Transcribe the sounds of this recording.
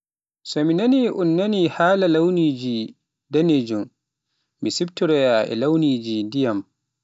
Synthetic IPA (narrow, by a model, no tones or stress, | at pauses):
sɔminaniʔunːanihaːlalawniːd͡ʒi | daned͡ʒum | misibtuɾɛjaʔɛ̰lawniːd͡ʒidijam